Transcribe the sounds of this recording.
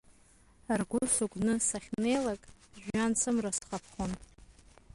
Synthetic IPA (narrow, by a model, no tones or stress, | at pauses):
arɡʷʊsuɡʷʼnɨsaχʲne̞jlakʼʒᶣant͡sʰɨmrasχapʰχon